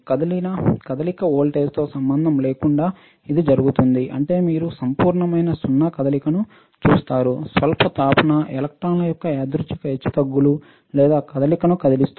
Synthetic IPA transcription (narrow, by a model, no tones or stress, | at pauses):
kɐd̪ɐlinɐkɐd̪ɐlikɐoːlʈeːst̪o̞ːsɐmbɐnd̪ʱɐmle̞ːkuɳɖaː | id̪id͡ʒɐɾuɡut̪und̪iʔɐɳʈe̞ːmiːɾusɐmpuːɾɳɐmɐjnɐsunːɐkɐd̪ɐlikɐnu | t͡ʃuːst̪aːɾusʋɐlpʰɐt̪aːpɐnɐʔɛlɐk̚ʈɾaːnlɐjɔkːɐed̪ɾut͡ʃikɐɦet͡ʃːu̥t̪ɐɡːulu | lɛːd̪aːkɐd̪ɐlikɐnukɐd̪ɐlist̪